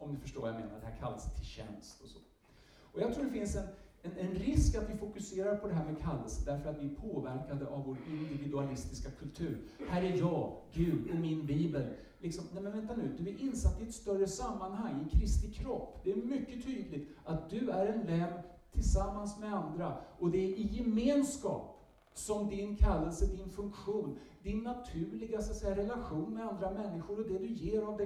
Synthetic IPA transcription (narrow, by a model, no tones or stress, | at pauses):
ɔmd̪ɵfœʂʈoːɾvajameːna̰ɾɖ̪ɛhæːɾkʰa̰lːa̰st̪ʰɪlɕɛ̰nst̪ɔsɔ̥̰ | ɔjɑɡt̪ʰɾuːɖɛfɪnsɛnɛnɛnɾɪskat̪vɪfʊkɵseːɾaɾpʰɔd̪ɛɦæːɾmɛkʰalːəsəd̪æɾfœɾat̪vɪæɾpʰoːvæɾkad̪əʔavvoːɾɪnd̪ɪvɪd̪ɵalɪst̪ɪskakʰɵlt̪ʰʉ̟ːɾhæːɾæɾjɑːɡʉ̟ːd̪ɪmɪnbiːbəl | lɪksɔmnɛmɛnvɛnt̪anʉ̟ːd̪ɵæɾʔɪnsat̪ːɪɛt̪st̪œrːəsamːanɦaŋːɪnkʰɾɪst̪ɪkʰɾɔpːd̪ɛæɾmʏkːət̪ʰyːd̪lɪɡ̪at̪̚d̪ɵæɾɛnlɛm | t̪ʰɪlsamːansmɛand̪ɾaɔd̪ɛɪjɛmeːnskɑ̰ːp | sɔmd̪ɪnkʰalːəlsəd̪ɪnfɵŋkɧuːnd̪ɪnːat̪ʰʉ̟ːɭɪɡasɔat̪sɛjːaɾɛlaɧuːnmɛand̪ɾamɛnːɪɧʊɾɔd̪ɛd̪ɵjeːɾavd̪ɛ